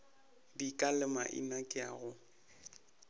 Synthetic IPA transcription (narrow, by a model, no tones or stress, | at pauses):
dikʼalɪma̰ʔḭnakʼɪaɣʊ